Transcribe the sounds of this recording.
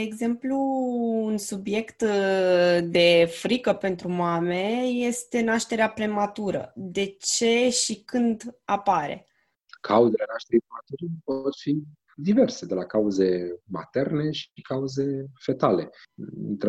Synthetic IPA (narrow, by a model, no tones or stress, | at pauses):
d̪eːɡze̞mpluːnsubje̞kt̪ | d̪e̞fɾikəpe̞nt̪ɾumame̞je̞st̪e̞naʃt̪e̞ɾeapɾe̞mat̪uɾə̰d̪e̞t͡ʃe̞ʃikɨnd̪apaɾe̞̰ | kʰauzelenaʃt̪e̞ɾipɾemat̪uɾipot̪fi | d̪ive̞rsed̪e̞lakauze̞ma̰t̪e̞rne̞ʃikauze̞fe̞t̪ale̞̰nt̪ɾ